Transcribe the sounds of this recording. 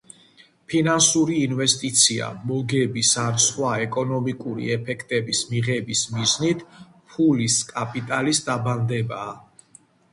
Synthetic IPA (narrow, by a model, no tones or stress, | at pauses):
pʰinansuɾiːnvɛst̪ʼit̪sʰia̰mɔɡɛbisansχwaɛkʼɔnɔmikʼuɾḭɛpʰɛkʰt̪ʼɛbismiʁɛbismiznit̪ʰ | pʰuliskʼapʼit̪ʼalisd̪aband̪ɛbaː